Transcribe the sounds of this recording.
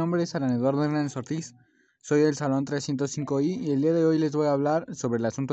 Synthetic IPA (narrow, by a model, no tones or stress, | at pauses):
ombɾesaɾaneðwaɾðoeɣnansoɾt̪is | so̞jðe̞lsalo̞nt̪ɾesθje̞nt̪osθiŋko̞iie̞ld̪iaðe̞o̞jle̞zβo̞jaːβ̞laɾso̞βɾe̞lasunt̪o